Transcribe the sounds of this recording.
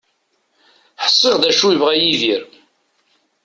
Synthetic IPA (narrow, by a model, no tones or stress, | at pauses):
ħə̥sˤːeʁðæʃujəvʁæjiðiɾ